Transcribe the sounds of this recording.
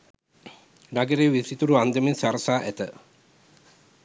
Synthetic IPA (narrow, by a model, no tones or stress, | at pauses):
naɡeɾeβisit̪uɾuand̪eminsaɾsaʔet̪e